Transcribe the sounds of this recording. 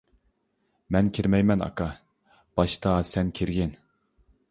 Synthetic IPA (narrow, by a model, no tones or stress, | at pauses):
mɛnkʲʰiɾmɛjmɛnɑ̰kɑ | b̥ɑʃt̪ʰɑsɛnkʲʰiɾɡʲɪn